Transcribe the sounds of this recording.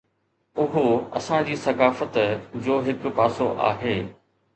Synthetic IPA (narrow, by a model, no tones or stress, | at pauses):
ʊɦoɐsãd͡ʑiːsɐkaːfət̪d͡ʑoːɦɪkʊ̆paːsoʔa̰ːɦeː